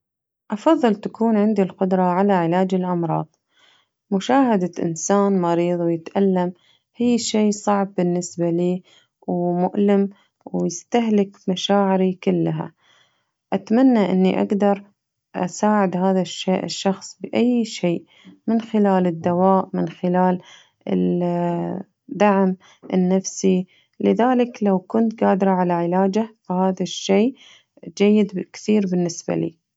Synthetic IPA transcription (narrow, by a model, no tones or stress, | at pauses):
ʔɑfɑðˤːɨlt̪akuːnʕɪnd̪ilqʊd̪ɾˤɑʕalaʕɪlaːd͡ʒɪlʔɑmɾˤɑ̰ːðˤ | mʊʃaːhad̪aʔɪ̰nsaːnmɑɾiːðˤwɪjɪt̪ʔalːam | hijːʃiːsˤɑʕb̚ːɪnːɪsbaliː | wmʊʔlɪm | wjɪst̪aɦlɪkmaʃaːʕɪɾikɪlːɦa̰ | ʔat̪manːaʔɪ̰nːiʔa̰ɡd̪ɑɾˤ | ʔa̰saːʕɪd̪haːðaʃːeːʔɪ̰ʃːɑxsˤbɪʔajːʃeːʔ | mɪnxɪlaːlɪd̪ːawaːʔmɪnxɪlaːl | ɪ̰ | d̪aʕm | ʔɪnːafsi | lɪðaːlɪklawkʊnt̪ɡaːd̪ɾɑʕalaʕɪlaːd͡ʒafahaːðaʃːeːʔ | d͡ʒajːɪd̪kθiːɾbɪnːɪsba̰lḭː